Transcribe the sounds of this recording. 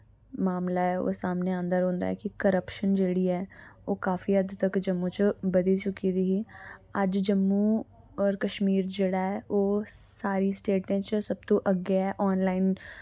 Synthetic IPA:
maːmlaːɦɛːo̰ːsaːmneːãːnd̪əɾɦõːnd̪a̰ːɛ̰ːkɪkəɾəpʃənd͡ʒeːɽiːɛːoːkaːfiːəd̪t̪əkd͡ʒəmːũːt͡ʃbəd̪iːt͡ʃʊkiːd̪iːɦiːəd͡ʒd͡ʒəmːũː | ɔːɾkəʃmiːɾd͡ʒeːɽaːɦɛːʔoːsaːɾiːsʈeːʈẽːt͡ʃsəb̚t̪õːʔəɡɛːʔɔːnlaːin

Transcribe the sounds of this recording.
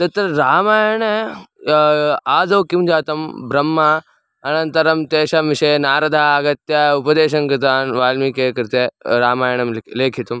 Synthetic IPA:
t̪ɐɾt̪ɐɾɾaːmaːjɐɳə | aːd͡zɐːkimd͡ʒaːt̪ɐmbɾɐmːa | ɐnɐ̃nt̪ɐɾɐmt̪eːʃɐmʋɪʂɐnaːɾɐd̪ʱaːɐɡɐt̪jaupɐd̪eːɕɐnkɾɪt̪aːnʋaːlmikeːkɐɾt̪eɾaːmaːjɳɐmleːkʰit̪um

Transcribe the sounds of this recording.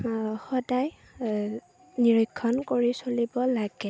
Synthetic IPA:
xɔdaj | niɹɔjkʰːɔnkoɹisolibɔlaɡ̥ɛ

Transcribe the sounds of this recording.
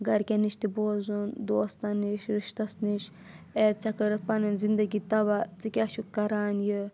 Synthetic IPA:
ɡɐɾkʲeniʃt̪iboːzund̪oːst̪ɐniʃɾiʃt̪ɐsniʃ | et͡sɐkɐɾɐt̪̚pɐnɐnzind̪ɐɡit̪ɐbat͡sikʲaʃukɐɾaːnji

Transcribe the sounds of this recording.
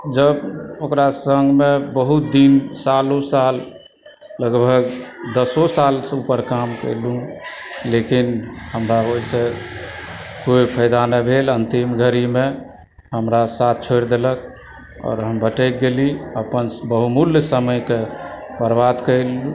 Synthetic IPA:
d͡ʒəbokɾasəŋɡmebəɦut̪̚d̪insalusalː | əɡbʱəɡd̪əsosalsupəɾkamkə̰lũlekinɦəmɾaoise | kojpʰəjd̪anəbʱelənt̪imɡʱəɾime | ɦəmɾasat̪̚ʰt͡ʃʰojɾd̪elək | ɔ̰ːɾɦəmbʱəʈəjk̚ɡeliəpənbəɦumuljsəməjkebəɾbad̪kəɪlu

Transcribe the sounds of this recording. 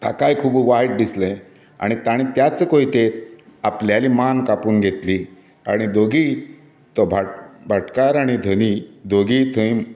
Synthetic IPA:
t̪a̰kajkʰuːbʋajʈ̚d̪islə̃ | a̰ɽ̃it̪aɽ̃it̪jat͡səkoit̪eapljalimankapuːnɡʱet̪li | aɽ̃id̪oɡi | t̪ɔbʱabʱaʈkaɾaɽ̃id̪ʱənid̪oɡiːt̪ʰəjm

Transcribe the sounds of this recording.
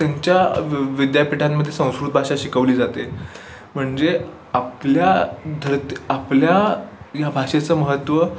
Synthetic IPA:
t̪jaɲt͡ɕjaʋid̪japiʈʰamːəd̪ʱjesə̃w̃skɾut̪̚bʱaɕaɕikəʋliːd͡zat̪e | m̤əɳd͡ze | apljad̪ʱəɾt̪iapljajabʱaɕet͡səːməɦət̪ʋə

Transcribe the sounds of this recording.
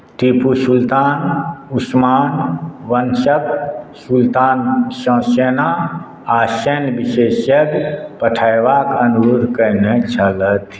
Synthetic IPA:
ʈ̪ipusult̪aːnusmaːnʋənsəksult̪aːnsə̃seːna | asɛnbiʃesjəkpəʈʰajʋakənɡuɾkənet͡ʃʰələt̪ʰ

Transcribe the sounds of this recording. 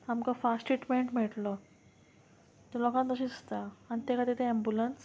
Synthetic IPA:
amkafasʈiʈmeɳʈm̤ɛʈlə | t̪əlokãnt̪əɕĩːst̪aanit̪ekʰat̪et̪ʰeembjuləns

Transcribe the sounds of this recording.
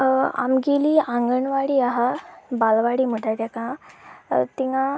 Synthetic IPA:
a̰mɡeliːãŋɡəɳʋaɽiːaɦabalʋaɽiːm̤əʈat̪akã | t̪iŋa

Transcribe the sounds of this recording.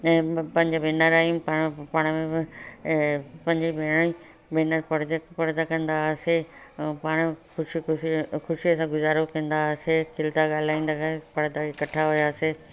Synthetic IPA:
ɛ̃ːpɐ̃ɦɪ̃ɲd͡ʑabɪnəɾaːipapaːɽ̃mẽɪ | pɐ̃ɦɪ̃ɲd͡ʑibeːɽ̃i | benəɾpɐɽd̪pɐɽd̪akɐ̃nd̪asepaːɽ̃xʊʃixʊʃiɐsãɡʊzaːɾokɐ̃nd̪asekʰɪlt̪aɠaːl̤aːĩːn̆d̪apɐɽd̪aekɐʈʰaɦʊjaːse

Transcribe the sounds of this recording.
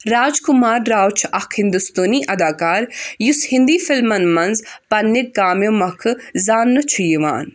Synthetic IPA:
ɾaːd͡ʒkʊmaːɾːaːwt͡ʃʰɐkʰhɪ̃nd̪ust̪oːniʔɐd̪aːkaːɾjushɪ̃nd̪iːfɪlmɐnmɐnzpɐnːɪk̚ɡaːmjomɐkʰzaːnːɨt͡ʃʰujiʋa̰ːn

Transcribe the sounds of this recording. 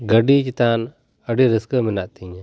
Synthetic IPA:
ɡəɖit͡ʃit̪an | əɖiɾiskəminaʔt̪iɲ

